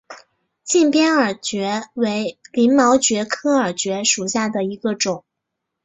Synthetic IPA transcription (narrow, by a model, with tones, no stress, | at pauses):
t͡ɕi˥˩npjɛ˥nə˞˨˩t͡ɕɥɛ˧˥we˧˥ɪli˧˥nmɑ˧˥ʊt͡ɕɥɛ˧˥kʰɤ˥ə˞˨˩t͡ɕɥɛ˧˥ʂu˨˩ɕja˥˩d̪ə˩i˧˥ɡə˧ʈ͡ʂʊ˨˩˦ŋ